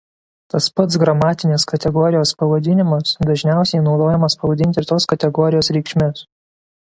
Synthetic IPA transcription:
t̪ɐspɐt̪sɡɾɐmɑːt̪ʲɪnʲeskɐt̪ʲɛɡɔɾʲɪjoːspɐʋɐd̪ʲɪnʲɪmɐsd̪ɐʒʲnʲæˑʊsʲɛɪnɒʊd̪oːjɛmɐspɐʋɐd̪ʲɪnʲt̪ʲɪɾt̪oːskɐt̪ʲɛɡɔɾʲɪjoːsɾʲɛɪkʃʲmʲes

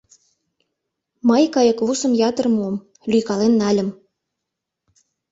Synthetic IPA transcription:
mɑjkɑjɤ̆kβusɤ̆mjɑt̪ɤ̆rmom | lʲyjkɑlenːɑlʲə̆m

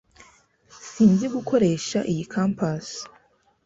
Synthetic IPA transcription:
siːnziɡuko̞ɾe̞ːʃaʔijikʰampas

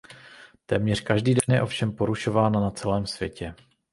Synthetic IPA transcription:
t̪ɛːmɲɛrkaʒdiːdɛnjɛ̰ʔo̞fʃɛmpo̞ɾuʃo̞vaːnanat͡sɛlɛːmsv̥jɛ̰cɛ

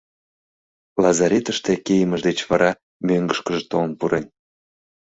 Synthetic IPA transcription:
lɑzɑɾʲet̪əʃt̪e̽kejəməʒd̪et͡ɕβɑɾɑ | møŋɡəʃkəʒet̪olənpuɾen

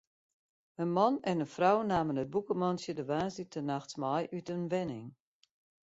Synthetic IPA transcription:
ənmɔnɛnənfrawnaːmənət̚bukəmɔnsjədəʋaːnsitʰənaxtmɔjʔytənʋɛnɪŋ

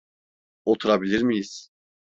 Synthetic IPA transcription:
ot̪ʰuɾabilʲiɾmijiz̥

